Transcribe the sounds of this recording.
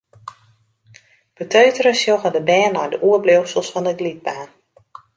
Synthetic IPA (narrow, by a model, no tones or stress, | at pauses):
b̥ətøɥtərəsjoɣədəbɛːnɔjdəʔuərblowsəlˠsfɔndəɡlit̚baːn